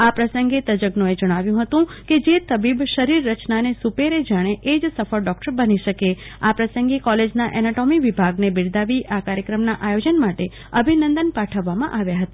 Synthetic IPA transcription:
apɾəsəŋɡet̪əd͡ʒəɡnũed͡ʒəɽ̃aʋjũɦət̪ũked͡ʒet̪əbibʃəɾiɾːət͡ʃnanesupeɾed͡ʒaɽ̃eʔed͡ʒsəfəɾɖɔk̚ʈəɾbəniʃəke | apɾəsə̃ŋɡekɔled͡ʒnaʔɛnaʈomiʋibʱaɡnebɪɽd̪aʋiʔakaɾjəkɾəmnaʔajod͡ʒənmaʈe | əbʱinənd̪ənpaʈʰəʋːamãʔaʋjaɦət̪a

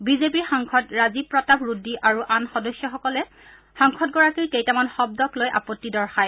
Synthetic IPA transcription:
bizep̬iɹxaŋkʰɔtɹazipɹɔtabɹudːiʔaɹuʔanxɔdɔsjɔxɔkɔlɛ | xaŋkʰɔt̚ɡɔɹakikejtamanxɔb̚dɔklojʔa̰pɔtːidɔɹxaj

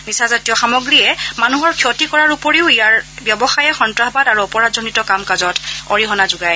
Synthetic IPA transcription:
misazatijɔxamɔɡɹiɛmanuɦɔɹkʰiɔtikɔɹaɹupoɹiʊijaɹbjɔbɔxajɛxɔntɹaɦbadaɹuɔpɔɹazɔnitɔkamkazɔtɔɹiɦɔnazʊɡaj

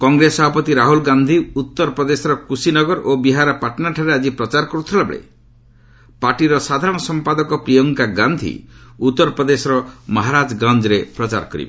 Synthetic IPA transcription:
kɔŋɡɾesɔbʱapɔt̪iɾaɦulɡand̪ʱiut̪ːɔɾɔpɾɔd̪esɔɾɔkusinɔɡɔɾʔobiɦaɾɔpaɾʈɔnaʈʰaɾead͡ʒipɾɔt͡ʃaɾɔkɔɾut̪ʰilabḛɭḛ | paɾʈiɾɔsad̪ʱaɾɔɽ̃ɔsɔmpad̪ɔkɔpɾijɔŋkaɡand̪ʱḭut̪ːɔɾɔpɾɔd̪esɔɾɔmɔɦaɾad͡ʒɡɾand͡ʒɔɾepɾɔt͡ʃa̰ɾkɔɾḭbe

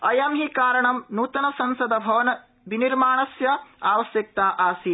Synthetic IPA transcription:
ɐjɐmɦikaːɾɐɳɐmnuːt̪ɐnɐsɐnsɐd̪ɐbʱɐʋɐnɐ | biniɾmaːɳɐsjɐaːʋɐsjɐk̚t̪aːʔaːsi

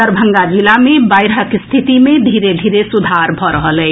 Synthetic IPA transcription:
əɾbʱə̃ŋɡad͡ʒilamebaɪɾɦəkst̪ʰit̪imed̪ʱiɾed̪ʱiɾesud̪ʱaɾbʱɔɾəɦəlɛ

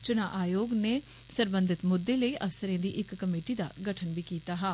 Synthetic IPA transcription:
t͡ʃʊnaːʔaːjoːɡneː | səɾbənd̪ɪt̪mʊd̪ːeːləiːʔəsəɾẽːd̪iːʔɪkːəmeːʈiːd̪a̰ːɡəʈʰənbiːkiːt̪aːɦaː

